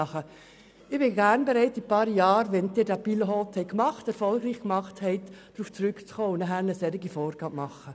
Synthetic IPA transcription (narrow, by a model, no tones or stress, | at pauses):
χə | ɪb̥ɪɡæːɾnbeɾɛɪtipɑːɾjɑːɾʋɛnd̪ɪːɾdæpilɦɔt̪hɛɪkmɑχtɛɾfɔlɡɾiːχkmɑχthɛɪt̪d̪̥ɾuːft͡sɾʏkt͡sχoːʊndəɦhænəsɛɾɪɡifɔːɾɡ̥ɑːmɑχːə